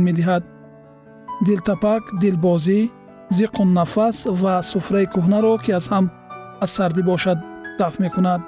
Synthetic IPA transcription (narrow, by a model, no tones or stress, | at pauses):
med̪iɦad̪ | d̪ilt̪ʰapakd̪ilbɔzi | ziqʰunːafasvasufɾaikʰuɦnaɾɔkʰiaz̥ham | az̥saɾd̪ibɔʃad̪̚d̪afmekunad̪̚